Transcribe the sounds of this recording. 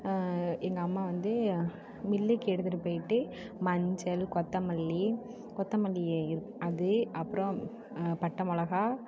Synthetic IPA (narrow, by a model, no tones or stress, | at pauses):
ɛŋɡɐːmːaːʋɐnd̪ɯ | mɪlːikːɛɽɯt̪ːɯʈɯpoːjɪʈːɯ | mɐɲd͡ʒɐlkɔt̪ːɐmɐlːi | kɔt̪ːɐmɐlːieɪɾɯ | ɐðɯɐpːɯɾɔ̃ | pɐʈːɐmɔlɐɣaː